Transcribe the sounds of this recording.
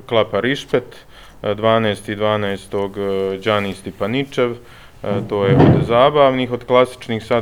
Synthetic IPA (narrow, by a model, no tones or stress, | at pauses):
klˠapaɾiʃpet̪ | d̪ʋaːneːst̪id̪ʋaːnɛːst̪o̞ɡd͡ʒaːnist̪ipanit͡ʃe̞ʋ | t̪o̞ːjeʔod̪zaːbaːʋniːxo̞d̪klˠasi̥t͡ʃniːxsa